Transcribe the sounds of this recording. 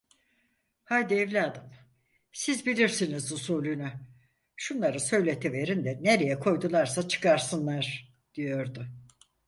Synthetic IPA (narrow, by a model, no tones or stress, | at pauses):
hajd̪iɛvlʲiad̪ɯm | sizbilʲiɾsinizusuːlʲyny | ʃunlˠaɾɯsø̞jlʲe̞t̪ʰive̞ɾind̪ɛneɾe̞jɛkʰo̞jd̪ulˠaɾsat͡ʃʰɯ̥kʰaɾsɯnlˠaɾ̥ | d̪̥ijo̞ɾd̪ʊ